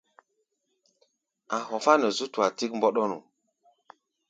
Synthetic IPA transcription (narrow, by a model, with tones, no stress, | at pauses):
a˨ɦɔ˨fa˦nə˨zu˦tu˨a˨ti˦kmbɔ˦ɗɔ˦nṵ˨